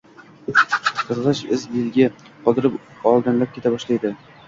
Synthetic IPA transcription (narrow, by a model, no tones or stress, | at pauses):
qʰɨzʁɨʃɪzbɪlɡʲɪ | qʰɒd̪ɪɾɪp | ɒlˠd̪ɪnlap̚kʰʲe̞t̪ʰabɒʃlajd̪ɪ